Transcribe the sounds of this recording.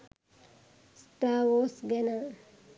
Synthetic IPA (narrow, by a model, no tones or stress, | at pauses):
sʈawosɡena